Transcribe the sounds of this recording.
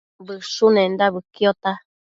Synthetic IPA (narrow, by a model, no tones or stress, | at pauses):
bɨʃunẽnd̪aβɨkjot̪a